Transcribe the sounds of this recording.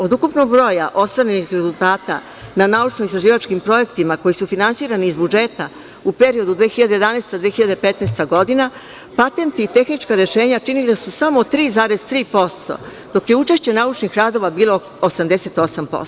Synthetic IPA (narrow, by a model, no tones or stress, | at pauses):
o̞d̪ukupnoɡ̚bɾo̞jaʔo̞st̪ʋaɾenixɾe̞zulˠt̪aːt̪a̰ | nanaːut͡ʃnoist̪ɾaʒiːʋat͡ʃkimpɾo̞je̞kt̪imako̞jisufinansiːɾaniːzbud͡ʒe̞t̪a | upe̞ɾio̞d̪ud̪ʋeːxiʎad̪ee̞d̪anest̪ad̪ʋeːxiʎad̪epet̪neːst̪aɡo̞d̪ina | pat̪e̞nt̪iːt̪e̞xnit͡ʃkaɾe̞ʃe̞ːɲat͡ʂinild̪asusamot̪ɾiːzaːɾe̞z̥t̪ɾiːpo̞st̪o̞̰ | d̪̥o̞kjeut͡ʃe̞ʃt͡ɕe̞naut͡ʃnixɾad̪o̞ʋabiːlˠo̞ | osamd̪e̞se̞t̪o̞sampo̰s